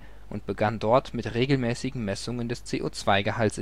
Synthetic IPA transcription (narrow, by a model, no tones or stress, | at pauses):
ʔʊnt̚b̥əɡandɔɐtmɪtʁeːɡl̩mɛːsɪɡŋ̩mɛsʊŋəndɛst͡seːʔoːt͡sv̥aɪɡəhalsɪ